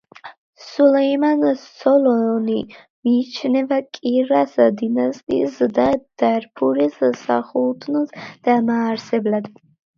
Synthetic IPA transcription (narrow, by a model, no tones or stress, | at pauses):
sulɛjmansɔlɔni | miːt͡ʃʰnɛvakʼiɾasad̪inast̪ʼḭzd̪ad̪̥arpʰuɾɛssa̰χult̪ʰnɔzd̪̥amaːɾsɛblad̪